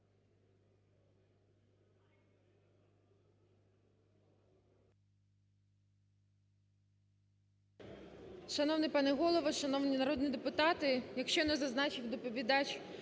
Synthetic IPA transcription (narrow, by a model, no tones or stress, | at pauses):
ʃɐnɔwnɪpɑnɪɦɔlˠɔʋɐʃɐnɔwnʲinɐɾɔd̪nid̪epʊt̪ɑt̪ɪjɐkʃt͡ʃɔnɛzɐznɑt͡ʃɪwd̪ɔpɔʋʲid̪ɑt͡ʃʲ